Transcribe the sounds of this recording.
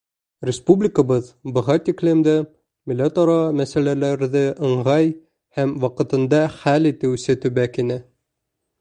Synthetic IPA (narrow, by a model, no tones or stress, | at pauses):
rʲɪspublʲɪkəbɤðbɤ̆ʁɑt̪ʲiklɘmd̪ɘ | milʲːet̪ɒɾɑmæsælælæɾðɘʔɤ̆ɴʁɑj | hæmwɑqɤ̆t̪ɤ̆nd̪ɑχælit̪ɘwsɘt̪ʉβækinɘ